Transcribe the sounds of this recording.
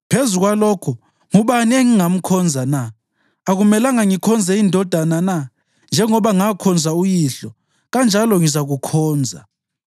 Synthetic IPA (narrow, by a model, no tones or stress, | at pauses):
pʰezuk̬walɔkʰɔ | ŋuɓanieŋiŋam̩kʰɔnd͡zʱana | aɣumɛlaŋaŋikʰɔnd͡zʱɛindʱɔd̥ʱanana | nd͡ʒʱɛŋɔɓaŋakʰɔnd͡zʱaujiɬɔ | ɣand͡ʒʱalɔŋizaɣukʰɔːnd͡zʱa